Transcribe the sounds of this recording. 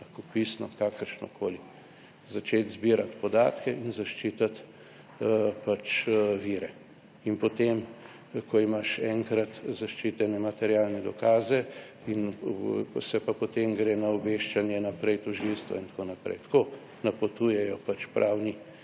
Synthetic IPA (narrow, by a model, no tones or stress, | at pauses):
lɐxkopisnɔkakəɾʃnɔ̰kʰoːli | zat͡ʃeːt̪zbiːɾat̪pɔd̪a̰ːt̪kɛʔinzaʃt͡ʃit̪at̪ | pat͡ʃʋiːɾɛ | inpɔt̪em | kɔimaʃɛŋkɾat̪zaʃt͡ʃiːt̪ɛnɛmat̪ɛɾjalnɛd̪ɔkaːzɛ | in | sɛpapɔt̪emɡɾeːnaɔbeʃt͡ʃanjɛnapɾɛjt̪ɔʒilst̪ʋa̰int̪konapɾɛ̰jt̪koː | napot̪uːjɛjɔpat͡ʃpɾʔaːwni